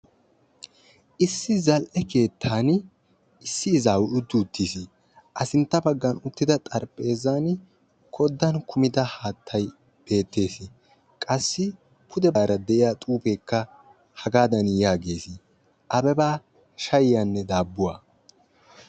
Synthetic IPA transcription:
ʔɪsːɪzɐlʔɛke̞ːt̪ʰːaːn | ɪsːɪːzaːwʔʊd̪ːuːt̪ʰːisɪ | ʔɐsɪnt̪ːɐbɐɡːɐnʊt̪ːɪd̪ɐt̪ʼɐɾpʼe̞ːzaːn | kʰɔd̪ːɐnkʰʊmɪd̪ɐhaːt̪ʰːɐj | b̥e̞ːt̪ːe̞ːsɪ | kʼɐsːɪ | pʰʊd̪ɛbːɾɐd̪ɛʔɪjaːt̪ʼuːpeːkːɐ | hɐɡaːd̪ɐnjaːɡe̞ːsɪ | ʔɐbɛbaː | ʃɐjjanːɛd̪aːbːʊwa̰

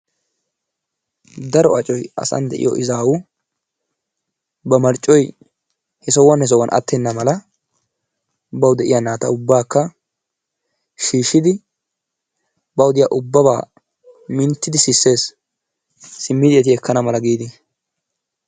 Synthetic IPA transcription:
d̪ɐɾɔɐt͡ʃʼɔjɐ̰sɐ̰nd̪ɛʔɪ̰jɔ̰ʔɪzaːwʊ | bɐmɐɾt͡ʃʼːɔj | hɛsɔwɐnhɛs̬ɔwɐnʔɐ̰t̪ːɛnːɐmɐlɐ | bɐwd̪ɛʔɪ̰janaːt̪ɐʊbːaːkːɐ | ʃiːʃːɪd̪ɪ | bɐwʊd̪ɪja̰ʔʊbːɐbaː | mɪnt̪ːɪd̪ɪsɪsːe̞ːs | ɪmːɪd̪ɪɛt̪ɪɛkʰːɐnɐmɐlɐɡiːd̪ɪ

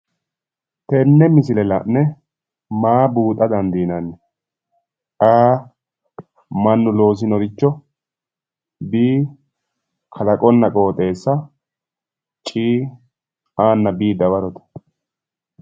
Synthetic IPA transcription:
t̪ɛnːɛmɪs̬ɪlɛlɐnːɛ | maːbuːt̪ʼːɐd̪ɐnd̪iːnɐnːɛ | aː | mɐnːʊlo̞ːs̬ɪnɔɾɪt͡ʃːɔ | biː | kʰɐlɐkʼɔnːɐkʼo̞ːt̪ʼe̞ːsːɐ | t͡ʃʼiː | aːnːɐbiːd̪ɐbɐɾɔt̪ɐ̥

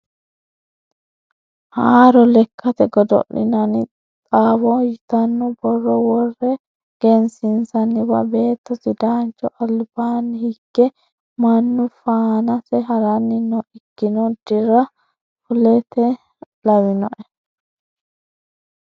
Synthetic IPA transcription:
haːɾɔlɛkʰːɐt̪ɛɡɔd̪ɔ̰ʔːɪ̰nɐnɪ | t̪ʼaːbɔjɪt̪ɐnːɔbɔrːɔwɔrːɛ | ɡ̥ɛnsɪnsɐnːɪbɐ̰be̞ːt̪ːɔsɪd̪aːnt͡ʃːɔʔɐlbaːnːɪhɪɡːɛ | mɐnːʊfaːnɐsɛɦɐɾɐnːɪnːɔʔɪɡːɪnɔd̪ɪɾɐ | fʊlɛt̪ɛ | lɐzɪnɔ̰ʔɛ

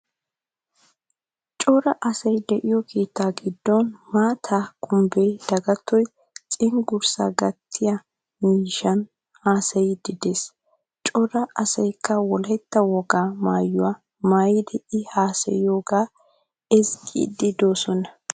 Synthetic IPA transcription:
t͡ʃʼɔɾɐʔɐsɐjd̪ɛʔɪjɔkʰe̞ːt̪ːaːɡɪd̪ːɔnmaːt̪ʰaːkʰʊmbejd̪̥ɐɡɐt̪ːɔj | t͡sʼɪŋɡʊɾsa̰ːɡɐt̪ʰːɪjɐ | miːʃɐn | haːsɐjɪd̪̥ɪd̪eːs | t͡ʃʼɔɾɐʔɐsɐjkʰːɐwɔlɐjt̪ːɐwɔɡaːmaːjːʊwaː | maːjɪd̪ɛɪhaːsɐ̰jjoːɡaː | ɛzkʼḭd̪ɪd̪o̞ːsɔnɐ

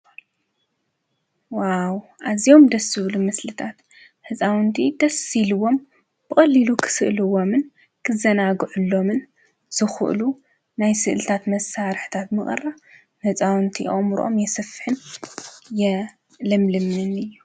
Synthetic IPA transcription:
wawʔazijo̞md̪ɐsɨβlumɨslɨt̪ʰat̪ | hɨt͡sʼawɨnt̪ʰid̪̥ɐsilɨwo̞m | b̥ɨkʼɐlːilukʰɨ̥sɨʔlɨwo̞mɨn | kʰɨzɐnaɡɨʕɨlːo̞mɨn | z̥ɨxɨ̰ʔlu | najsɨʔɨlɨt̪ʰat̪mɐsaɾħt̪ʰat̪mɨχʼɨ̰rːa | hɨt͡sʼawnt̪ʰḭʔʔʼmɾʔo̞̰mjɛsɐfħɨn | jɛ | lɐmlɨmɨnɨjːu

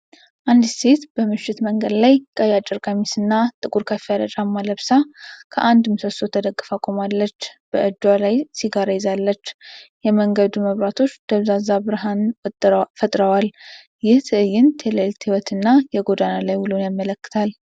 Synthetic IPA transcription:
ʔand̪se̞t̪b̥əmɨʃːɪt̪məŋɡəd̪lajkʼəjat͡ʃʼːɨɾɡamisɨnːat̪ʼɨkʼuɾkʰəfijad̪ət͡ʃʼamːaləβsakʰəʔand̪mɨsəso̞t̪ʰəd̪əɡːɨfakʼomalːət͡ʃːb̥əʔɨd͡ʒ̪walajsiɡaɾajzalːət͡ʃːjɛməŋɡəd̪uməβɾat̪ʰo̞t͡ʃːd̪̥əβzazabɨɾɨɦan | fət̪ʼɾəwal | jɪht̪ʰɨɨjːɪnt̪ʰeləlt̪ʰiwɔt̪ʰɨnːajɛɡo̞d̪analajwulunjamːələkːɨ̥t̪ʰal

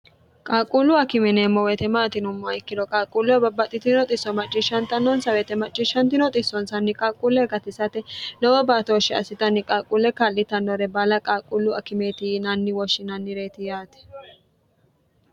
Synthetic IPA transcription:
kʼaːkʼulːʊɐkɪmɛneːmːɔwɛt̪ɛmaːt̪ɪnʊmːɔɐɪkːɪd̪ɔkʼaːkʼːulɔbɐbːɐt̪ʼːɪt̪ɪnɔt̪ʼɪsːɔmɐt͡ʃʼːɪʃɐnt̪ɐnːɔnsɐwɛt̪ɛmɐt͡ʃʼːɪʃɐnt̪ɪnɔt̪ʼɪsːɔnsɐnːɪkʼaːkʼulːɛɡɐt̪ɪsɐt̪ɛnɔwɔbaːt̪oʃːɛɐ̰sɪt̪ɐnːɪkʼaːkʼuːlːɛkalːɪt̪ɐnːɔɾɛbɐlɐkʼaːkʼːulːʊɐkɪmeːt̪ɪnɐnːɪwɔʃːɪnɐnːɪɾeːt̪ɪjaːt̪ɛ̥

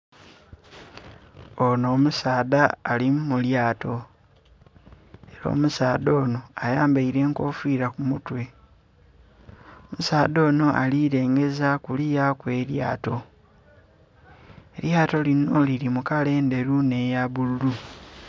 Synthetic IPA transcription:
ono̞ːmusaːdaːlimmuljaːtʰo̞ | eɾo̞̰ːmusaːdo̞ːno̞ajaːmbaiɾe̞ːŋko̞ːfiːɾakumutwe̞ | omusaːdo̞ːno̞ʔa̰liɾe̞ːŋɡe̞zakulijakwe̞ːɾjaːto̞ | e̞ljaːto̞lino̞lilimukale̞ːnde̞ɾune̞jaβululu

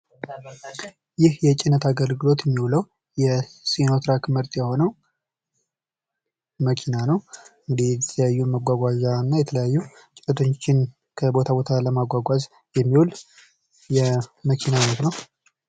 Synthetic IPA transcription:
jɪhjɛt͡ʃʼɪnːət̪aɡəlɡɨlo̞t̪jɛmːiwuləw | jɛsinot̪ɾakmɨɾt̪ʼjɛho̞nəw | məkʰinanəwɨŋɡɨd̪ijɛt̪ʰələjajːuməɡʷaɡʷaʒanːajɛt̪ʰələjajːu | t͡ʃʼɪt̪ːət̪ʰot͡ʃːɪn | kʰəbo̞t̪ʰabo̞t̪ʰaləmaɡʷaɡʷaz | jɛmːiwul | jɛməkʰinamanət̪nəw

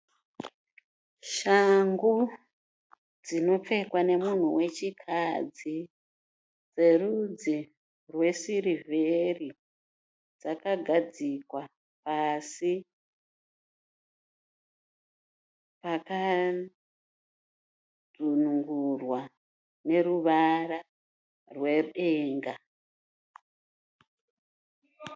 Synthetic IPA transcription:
ʃaŋɡu | d͡zino̞p͡fe̞kwane̞mun̤uwe̞t͡ʃikʰad͡zi | d͡ze̞rud͡zi | rwe̞sirivveri | d͡zakaɡʱad͡zikwa | pasi | paka | d͡zunuŋɡurwa | ne̞ɾuʋara | rwe̞ɗeːŋɡa

